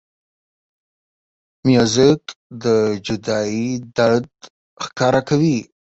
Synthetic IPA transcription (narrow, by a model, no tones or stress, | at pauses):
mjuzɪkd̪əd͡ʒʊd̪ɑid̪aɽd̪ | xkɑɾakawi